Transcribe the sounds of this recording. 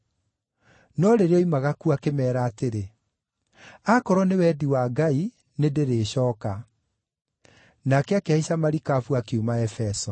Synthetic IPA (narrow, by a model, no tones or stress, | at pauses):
nɔɾeɾeɔimaɣakuakemɛːɾaːteɾe | akɔɾɔnewɛdiwaɡai | nedeɾeːɕɔːka | nakɛakeaisamaɾikafuakeumaɛfɛsɔ